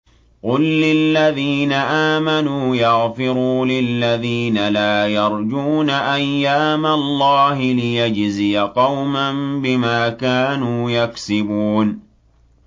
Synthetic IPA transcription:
qʊlːɪlːaðiːnaʔaːmanuːjɑɣfɪɾuːlɪlːaðiːnalaːjɑɾˤd͡ʒuːnaʔajːaːmalːɑːɦɪlɪjad͡ʒzijaqɑwmanbɪmaːkaːnuːjaksɪbuːn

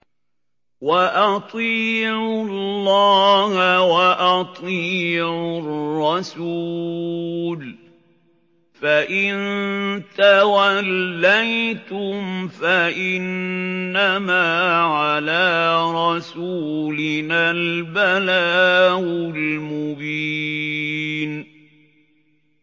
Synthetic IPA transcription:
waʔɑt̪ˤiːʕʊlːɑːhawaʔɑt̪ˤiːʕʊrrːɑsuː | l | faʔɪnt̪awalːajt̪ʊmfaʔɪnːamaːʕalaːɾˤɑsuːlɪnalbalaːʔʊlmʊbiː | n

